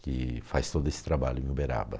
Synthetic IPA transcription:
kɪfajst̪od̪ʊesɪ̥t̪ɾabaʎʊẽʊbeɾa̰bɐ

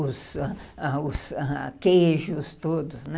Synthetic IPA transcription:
ʊsaʊsãkeʒʊst̪od̪ʊsnɛ

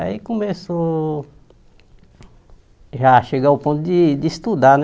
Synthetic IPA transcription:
a̰ikõmeso | ʒaʃeɡaʊpõt̪ʊd̪ɪd̪ɪst̪ud̪an

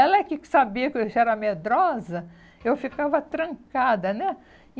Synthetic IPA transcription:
ɛlɐɛkɪsabiɐkɪeʒɛɾɐmed̪ɾɔzɐ | ewfikavɐt̪ɾɐ̃ŋkad̪ɐnɛ

